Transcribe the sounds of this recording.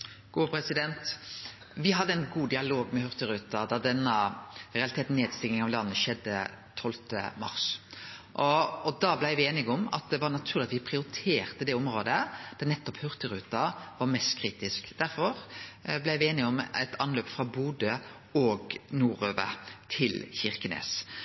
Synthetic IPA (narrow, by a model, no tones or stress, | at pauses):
ɡ̥uːpʰɾɛsɪd̪ɛnt̪ | ʋɪɦɑd̪ːəɛɪnɡuːd̪ɪɑloːɡmɛhʉɾt̪əɾʉːt̪ɑd̪ɑd̪ɛnːəɾɛɑlɪt̪eːt̪neːd̪st̪ɪŋɪŋɑʋlɑnːəʃɛd̪ːə̰t̪ʰɔlt̪ə̰mɑ̰ɾsʔɔɔd̪ɑblæɪʋɪeːnɪɡɔmɑ̰t̪̚d̪ɛʋɑɾnɑt̪ʰʉːʁlɪɑt̪ʋɪpʰʁɪʊɾɪt̪ʰeːɾt̪əd̪ɛɔmɾoːd̪əd̪̥ɑnɛt̪ːɔphʉɾt̪əɾʉːt̪ɑʋɑɾmɛst̪kʰɾiːt̪ɪskd̪̥æɾfɔɾblæɪʋɪeːnɪɔmɛ̰t̪ʰɑnløːpfɾɑbuːd̪ə | ɔɡnuːɾøːʋə̰t̪ʰɪlçɪʁkənḛːs